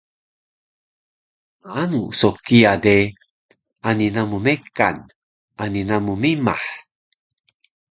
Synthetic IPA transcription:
anusokiade | aninamumeka̰n | ʔaninamumima̰ħ

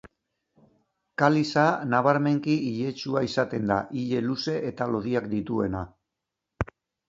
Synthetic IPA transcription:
kalisanaβ̞aɾme̞ŋkiiʎe̞t͡ʃuaisat̪e̞nd̪aʔiʎe̞luse̞ʔet̪alo̞ð̞iakd̪it̪ue̞̰na

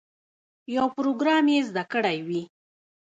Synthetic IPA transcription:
jawpɾoɡɾɑmjezd̪akəɽajwi

